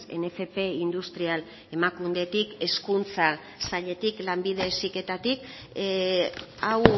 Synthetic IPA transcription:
e̞̰ne̞fe̞pe̞ind̪ust̪ɾial | e̞makund̪e̞t̪ike̞skunt͡sa | saʎe̞t̪iklambið̞e̞ːsike̞t̪at̪ik | aw

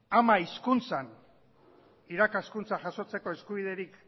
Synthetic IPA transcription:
amaiskunt͡san | iɾakaskunt͡saʝaso̞t͡se̞ko̞e̞skuβ̞iðe̞ɾik

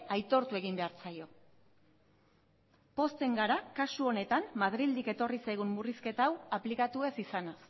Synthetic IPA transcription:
ajt̪o̞ɾt̪ue̞ɣ̞imbe̞aɾt͡sajo̞ | po̞st̪e̞ŋɡaɾakasuo̞ne̞t̪ammað̞ɾild̪ike̞t̪o̞risajɣ̞umːuriske̞t̪awaplikat̪ue̞sisanas

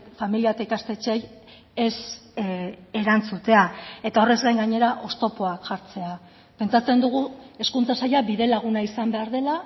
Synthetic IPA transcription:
familiat̪aikast̪e̞t͡ʃe̞j | es | e̞ɾant͡sut̪e̞ae̞t̪ao̞re̞zɣajŋɡaɲe̞ɾaʔo̞st̪o̞po̞akʝaɾt͡se̞a | pe̞nt͡sat͡se̞nd̪uɣ̞ue̞skunt͡sasajaβiðe̞laɣ̞unaisambe̞aɾð̞e̞la

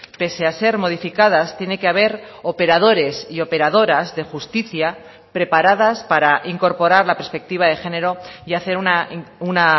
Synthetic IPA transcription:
pe̞se̞ase̞ɾmo̞ðifikað̞ast̪je̞nekeaβe̞ɾo̞pe̞ɾað̞o̞ɾe̞sio̞pe̞ɾaðo̞ɾazðe̞xust̪iθja | pɾe̞paɾaðaspaɾaʔiŋko̞ɾpo̞ɾaɾlape̞ɾspe̞k̚t̪iβ̞aðe̞xe̞ne̞ɾo̞iaθe̞ɾunauna

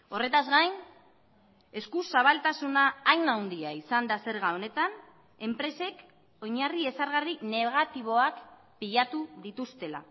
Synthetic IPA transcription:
o̞re̞t̪azɣajn | e̞skusaβ̞alt̪asunaːjnawnd̪iaisand̪ase̞ɾɣao̞ne̞t̪an | e̞mpɾe̞se̞k | o̞ɲarie̞saɾɣarine̞ɣ̞at̪iβ̞o̞ak | piʎat̪uðit̪ust̪e̞la̰

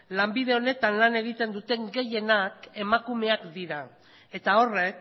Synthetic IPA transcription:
lambið̞e̞o̞ne̞t̪anlane̞ɣ̞it̪e̞nd̪ut̪e̞ŋɡe̞je̞nake̞makume̞akd̪iɾa | e̞t̪ao̞re̞k̚

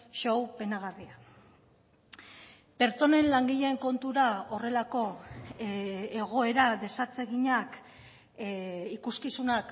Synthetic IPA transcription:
ʃowpe̞naɣ̞aria | pe̞ɾt͡so̞ne̞nlaŋɡiʎeːŋko̞nt̪uɾao̞re̞lako̞ | eɣ̞o̞e̞ɾaðe̞sat͡se̞ɣiɲak | ikuskisunak

